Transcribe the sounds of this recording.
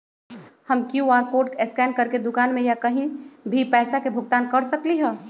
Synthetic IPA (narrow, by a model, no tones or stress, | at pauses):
hɐmkjũaːɾpoːʈeskɛːnɖkɐɾked̪ʊkaːnmẽjakɐɦĩbʱipɛːsakebʱʊɡt̪aːnkɐɾsɐkliɦɛː